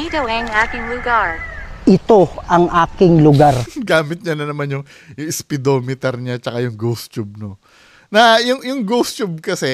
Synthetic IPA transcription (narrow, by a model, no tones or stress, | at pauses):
id̪owɛŋaːkɪŋlʊɡaɹʔɪt̪o̞ʔɐŋʔaːkɪŋlʊɡaɾɡaːmɪt̪̚ɲɐnɐnɐmanjʊŋ | jʊŋɪspɪd̪oːmɪt̪ɛɾɲat͡ʃɐkajʊŋɡowst͡ʃub̚no | nɐjʊŋjʊŋɡost͡ʃub̚kɐsɛ